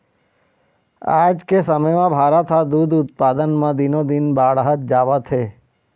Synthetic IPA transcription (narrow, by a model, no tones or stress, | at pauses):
a̰d͡ʒkesəməjmãbʱaɾat̪ʰad̪ud̪ʊt̪̚pad̪ənmãd̪inod̪inbaɭɦət̪̚d͡ʒaʋat̪ʰe